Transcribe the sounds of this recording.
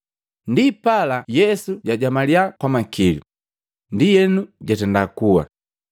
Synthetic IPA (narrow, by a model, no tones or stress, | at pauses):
ndipalajɛsuɟaɟamaliakwamakilṵ | ndijɛnuɟatɛndakuwa̰